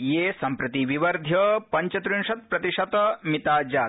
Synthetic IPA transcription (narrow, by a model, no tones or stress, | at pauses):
jeːsɐmpɾɐt̪iʋiʋɐɾd̪ʱjɐpɐɲt͡ʃɐt̪ɾunʂɐt̪̚pɾɐt̪iʂɐt̪mit̪aːd͡ʒaː